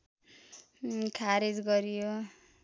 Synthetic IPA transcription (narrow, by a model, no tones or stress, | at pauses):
kʰaɾid͡zɡʌɾjo